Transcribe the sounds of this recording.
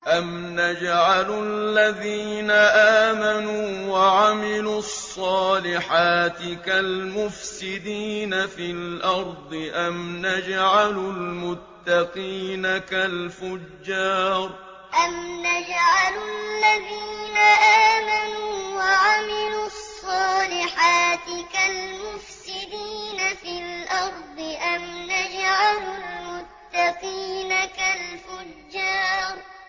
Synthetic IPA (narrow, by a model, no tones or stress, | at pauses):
ʔam | nad͡ʒaʕalalːaðiːnaʔaːmanuːwaʕamɪlusˤːɑːlɪħaːt̪ɪkalmʊfsɪd̪iːnafilʔɑɾˤd̪ˤɨʔamnad͡ʒaʕalʊlmʊt̪ːaqiːnakalfʊd͡ʒːɑːɾˤ | ʔamnad͡ʒʕalʊlːaðiːnaʔaːmanuːwaʕamɪlusˤːɑːlɪħaːt̪ɪkalmʊfsɪd̪iːnafilʔɑɾˤd̪ˤɨʔamnad͡ʒʕalʊlmʊt̪ːɑqiːnakalfʊd͡ʒd͡ʒːɑːɾˤ